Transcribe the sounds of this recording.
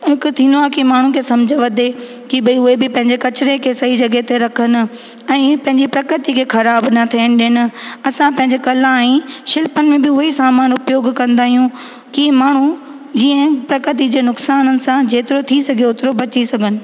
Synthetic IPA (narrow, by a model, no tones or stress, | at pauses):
ɦɪkʊ̆t̪ʰĩːnd̪oaːkimaːɳ̤ũkʰeːsɐ̃md͡ʑʱəʋɐd̪ʱe | kibɐiʊɦebɪpɐ̃ɦɪ̃ɲd͡ʑekɐt͡ɕɪɾekʰeːsɐɦid͡ʑɐɡet̪eɾɐkʰənʊ̆ | ɛ̃ːpɐ̃ɦɪ̃ɲd͡ʑipɾɐkɾɪt̪ikʰeːxʰɐɾaːbnɐt̪ʰiənɪ̆ɗɪnɪ̆ɐsãpɐ̃ɦɪ̃ɲd͡ʑekɐlãĩʃɪlpənɪ̆mẽbɪʊɦisaːmaːnʊpjoːɡkɐ̃nd̪aːɦijũ | kimaːɳ̤ũ | d͡ʑiːə̃pɾɐkɾɪt̪̬id͡ʑeːnʊksaːnənɪ̆sãd͡ʑeːt̪ɪɾot̪ʰisɐɡʱijeʊt̪ɪɾobɐt͡ɕisɐɡʱənɪ̆